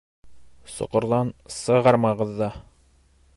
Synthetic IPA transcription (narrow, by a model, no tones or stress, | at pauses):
so̰qŏɾlˠɑnsɤ̆ʁɑɾmɑʁɤ̆ðːɑ